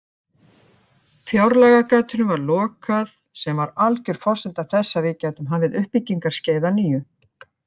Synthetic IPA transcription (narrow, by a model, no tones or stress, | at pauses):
fjawɾlɛɣakaːt̪ʏnʏmvaɾlɔːkað | sɛmvaɾalcʏɾ̥fɔrsɪnt̪aθɛsːavɪːcajt̪ʏmɦanvɪðʏhpicːiŋkaɾ̥sceːjðaniːjʏ